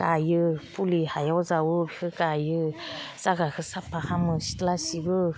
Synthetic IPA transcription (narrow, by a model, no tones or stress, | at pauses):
kajɯpʰulihajɔwzawɯbi̥kʰɯkajɯz̥aɡakʰɯsapʰahamɯsi̥təlasibɯ